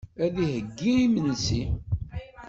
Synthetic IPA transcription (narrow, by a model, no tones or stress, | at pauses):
æðihəɡːiimənsi